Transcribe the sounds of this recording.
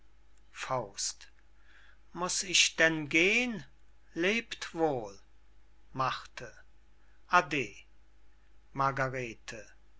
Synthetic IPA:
faʊst | mʊsɪʃd̥ɛnɡeːən | leːptv̥oːl | maχtʰə | ʔadeː | maɡaʁeːtʰə

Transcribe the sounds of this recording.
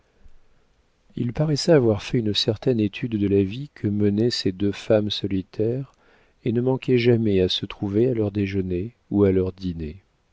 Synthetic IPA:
ilpaʁɛsɛavwaʁfɛynsɛʁt̪ɛnet̪ʰyd̪ːəlavikʰəmənɛsed̪øfamsɔlit̪ʰɛʁ | enəmɑ̃kʲɛʒamɛasət̪χuvealœʁd̪eʒəne | ualœʁd̪ine

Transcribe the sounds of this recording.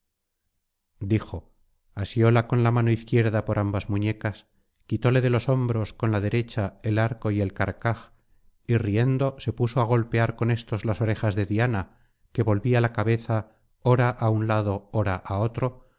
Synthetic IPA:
d̪ixo̞ | asjo̞lako̞nlamãno̞iθkje̞ɾðapo̞ɾʔambazmũɲe̞kas | kit̪o̞le̞ðe̞lo̞so̞mbɾo̞sko̞nlað̞e̞ɾe̞t͡ʃae̞laɾko̞je̞lkaɾkax | irie̞nd̪o̞se̞puso̞aɣ̞o̞lpe̞aɾko̞ne̞st̪o̞zlaso̞ɾe̞xazðe̞ðjana | ke̞βo̞lβialakaβe̞θa | o̞ɾaʔaunlað̞o̞oɾaʔao̞t̪ɾo̞

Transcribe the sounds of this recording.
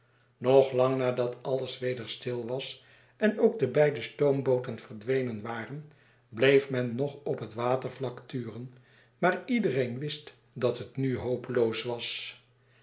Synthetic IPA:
nɔχlɑŋnaːdɑtʰɑləsʋejdəɹstɪlˠʋɑs | ɛnowɡ̚dəbɛjdəstowmbowtənvəɹdʋejnənʋaːrən | blejfmɛnːɔχɔpɦətʋaːtəɹvlɑktyːrən | maːɹidərejnʋɪst | dɑtɦətnyɦowpəlowsʋɑs

